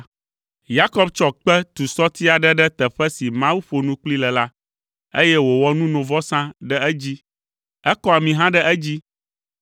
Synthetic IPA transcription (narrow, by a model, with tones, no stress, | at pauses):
ja˦kɔ˦bt͡ʃɔ˦k͡pɛ˦t̪u˨sɔ˦t̪i˦a˨ɖɛ˦ɖɛ˦t̪ɛ˨ɸɛ˦si˨mã˦wu˦ɸo˨nũ˦k͡pli˦lɛ˨la˦ | e˦jɛ˦wo˨wɔ˦nũ˦nõ˨vɔ˦sã˦ɖɛ˦ɛ˦d͡ʑi˦ | ɛ˦kɔ˦a˨mĩ˨ɦã˦ɖɛ˦ʔɛ˦d͡ʑi˦